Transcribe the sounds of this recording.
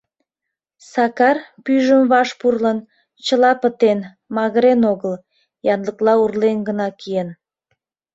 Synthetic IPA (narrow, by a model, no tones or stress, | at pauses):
sɑkɑrpyʒəmβɑʃpurlən | t͡ɕəlɑpət̪en | mɑɣəɾenoɣəl | jɑnləklɑurlenɡənɑkien